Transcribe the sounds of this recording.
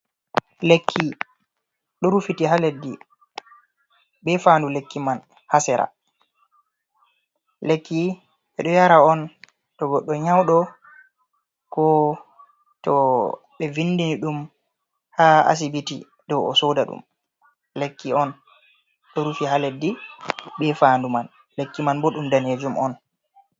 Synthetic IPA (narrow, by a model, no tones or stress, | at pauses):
lekʰːi | ɗɔɾufitiɦaledːi | bɛfandulekːiman | hasɛɾa̰ | lekːi | ɓɛɗɔjaɾaɔn | tɔɡɔɗːɔɲawɗɔ | kɔ | tɔ | ɓɛvinːdiniɗum | haa̰s̬ibitḭ | dɔwɔ̰sodaɗṵm | lekːiɔn | ɗɔɾufihaledːiɓɛfaːnduman | lekːimanbɔɗumdaned͡ʒumʔɔn